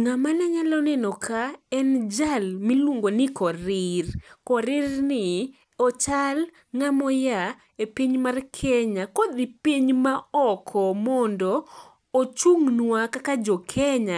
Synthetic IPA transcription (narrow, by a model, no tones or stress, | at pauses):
ŋamanɛɲalɔnɛnɔkʰaɛnd͡ʒalmilwoŋɡonɪkɔɾɪrkɔɾɪrnɪ | ɔt͡ʃal | ŋamɔja | epiɲmarkʰɛɲakɔd̪ipiɲmaɔkʰɔmɔndɔː | t͡ʃuŋnwakakad͡ʒɔkʰɛɲa